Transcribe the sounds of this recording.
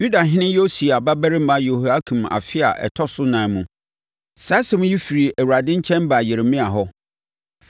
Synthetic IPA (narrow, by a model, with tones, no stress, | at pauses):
ju˦da˨ɦɪ̃˦nɪ̃˦jo˦si˨a˨ba˦bæ˦ɾɪ̃˦m̩˦ma˦jo˨hu˨a˦kʰũ˨ma̰˨fɪ˦a̰˨ʔɛ̰˨tʰɔ˦sʊ˦nã˨˦mũ˦ | sa˦sɛ˨mʊ̃˦ji˦fi˨ɾi˨ʔæ˨wɾa˨dɪ̃˦ɲ̩˦t͡ɕʰɛ̃˦m˦ba˨jɪ˨ɾɪ˨mɪ̃˦a˨ɦɔ˦